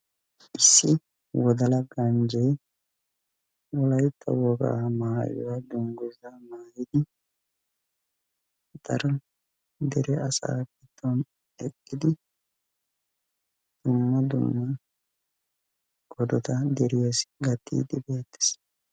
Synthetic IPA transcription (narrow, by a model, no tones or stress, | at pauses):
ʔɪsːɪ | wɔd̪ɐlɐɡɐnd͡ʒɛj | wɔlɐjt̪ʰːɐ̰wɔɡa̰ːmaːjɔ̰wɐd̪ʊŋɡʊzɐmaːjɪd̪ɪ | t̪ɐɾɐ | d̪ɛɾɛɐsa̰ːɡɪt̪ːɔn | ɛkʼːɪd̪ɪ | d̪̥ʊmːɐd̪ʊ̰mːɐ | ɡɔd̪ɔt̪ɐd̪ɛɾɪjasɡɐt̪ːḭːd̪ɪbeːt̪ːɛ̥s